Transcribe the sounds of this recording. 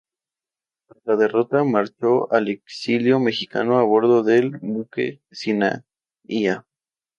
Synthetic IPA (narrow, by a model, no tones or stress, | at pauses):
alaðe̞ro̞t̪amaɾt͡ʃo̞ʔaleksiljo̞me̞xika̰noaβo̞ɾðo̞ðe̞lbukḛ | sina̰ | ia